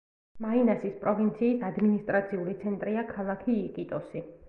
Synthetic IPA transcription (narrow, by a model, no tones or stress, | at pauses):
mainasispʼɾɔvint̪sʰiːsad̪minist̪ʼɾat̪sʰiulit̪sʰɛnt̪ʼɾiakʰalˠakʰiːqʼit̪ʼɔsi